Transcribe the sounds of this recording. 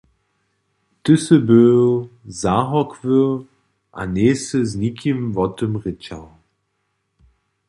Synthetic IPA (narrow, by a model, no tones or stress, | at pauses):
tɪsəbøːzaɦɔkʰvə | ʔa̰neːsəznikʰimvɔtəmʁɪt͡ɕaw